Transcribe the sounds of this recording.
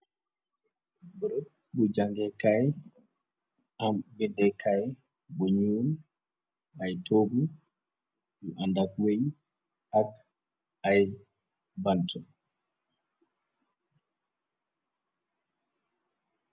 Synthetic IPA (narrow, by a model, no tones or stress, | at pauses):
buɾot̚ | bud͡ʒaŋɡɛkaj | ambindɛkʰaj | buɲuːl | ajtoːbu | buʔandakweɲ | hak | aj | bantʰɔ